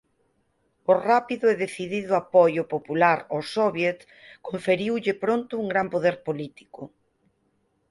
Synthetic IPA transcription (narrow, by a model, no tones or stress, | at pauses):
orapiðʊeðeθiðiðʊapojʊpopulaɾosɔβjet̪ | koɱfeɾiwʎɪpɾont̪ʊuŋɡɾampoðeɾpolit̪i̥kʊ